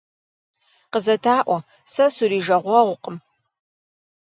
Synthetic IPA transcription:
qəzɐtʰaːʔʷɔ | sɐsuɾiːʒɐʁʷɔʁʷʊqəm

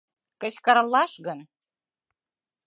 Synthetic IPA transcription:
kə̆t͡ɕkəɾlːɑʃɣən

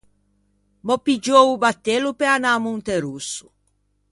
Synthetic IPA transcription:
mɔpːid͡ʒoubat̪ːelupɛanamunt̪eɾusːu̥

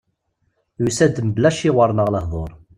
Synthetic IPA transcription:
jusæd̪əmblæʃiʁəɾˤnəʁləɦðˤoɾˤ

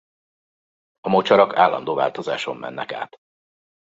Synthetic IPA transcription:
ɒmot͡ʃɒɾɒkʰaːlːɒ̰nd̪oːva̰ːlt̪o̞zaːʃo̞mːɛ̰nːɛka̰ːt̪

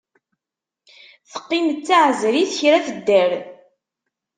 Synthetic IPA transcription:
θə̥qːinət͡sːaʕzɾiθçɾæθəd̪ːəɾ

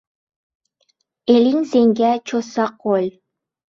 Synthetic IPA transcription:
eliŋzeŋɡʲæt͡ʃʰosɑqolʲ

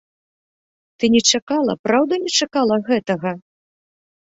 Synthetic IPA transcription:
t̪ɨnʲɛt͡ʂakalˠɐ̰pɾawd̪ɐnʲɛt͡ʂakalˠɐɣɛt̪ɐɣɐ

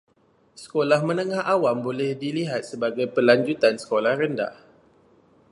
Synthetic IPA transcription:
sə̥kolahmə̃nəŋahʔawambolɛhdiliɦat̪̚səbaɡajpəlaɲd͡ʒut̪ansə̥kolahrənda̰h

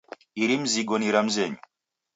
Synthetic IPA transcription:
iɾim̩ziɡɔniɾam̩zɛɲu

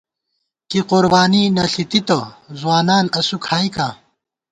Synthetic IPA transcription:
kiquɾbaːninɐɬit̪it̪ozwaːnaːnɐsukʰaːikaː

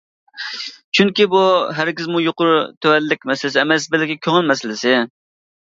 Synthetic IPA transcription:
t͡ʃʰyŋkʲibuɦæɾɡʲɪzmujoqʊɾut̪ʰøwɛlːɪkʲmɛsɪlɪsɪɛmɛsbɪlɪkʲːɛkʲʰøŋɪlmɛsɪlɪsɪ

